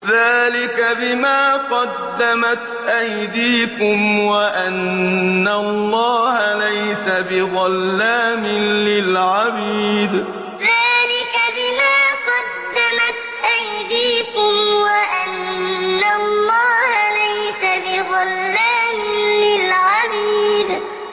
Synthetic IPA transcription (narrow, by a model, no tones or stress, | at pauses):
ðaːlɪkabɪmaːqɑd̪ːamat̪ʔajd̪iːkʊmwaʔanːalˤːɑːhalajsabɪɣɑlːaːmɪlɪlʕabiːd̪ | ðaːlɪkabɪmaːqɑdd̪ːamat̪ʔajd̪iːkʊmwaʔanːalˤːɑːhalajsabɪðɑlːaːmɪlɪlʕabiːd̪